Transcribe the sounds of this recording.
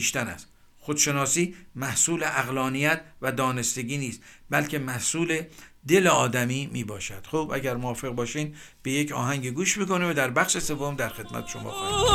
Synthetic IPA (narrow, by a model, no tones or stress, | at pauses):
iʃt̪ænæ̰st̪ | xod̪̥ʃe̞nɒːsiːmæhsuːleʔæɣlɒːnijæt̪ʰvæd̪ɒːne̞st̪e̞ɡiːniːst̪bælcʰe̞mæhsuːled̪e̞leɒːd̪æmiːmiːbɒːʃæd̪̥xobʔæ̰ɟæɾmoɒːfe̞ɣbɒːʃiːmb̥e̞jecʰɒ̰ːɦæŋɟeɡuːʃmiːkʰo̞nevæd̪æɾbæxʃese̞vːomd̪æɾxe̞d̪mæ̰t̪ʰe̥ʃo̰mɒ̰ːx